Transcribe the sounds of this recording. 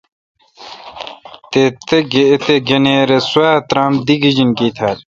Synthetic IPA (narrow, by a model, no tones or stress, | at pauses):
t̪et̪eɡet̪eɡeneːɾeswaːt̪ɾaːmd̪iɡid͡ʑinkit̪ʰaːɾ